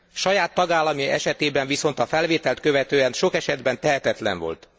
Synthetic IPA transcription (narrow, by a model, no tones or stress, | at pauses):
ʃɒjaːt̪ːɒɡaːlːɒmiɛ̰ʃɛt̪eːbɛɱviso̞nt̪ɒfɛlveːt̪ɛlt̪̚køvɛt̪øːɛnʃo̞kɛʃɛd̪bɛnt̪ɛɦɛt̪ɛt̪lɛ̰ɱvo̞̰lt̪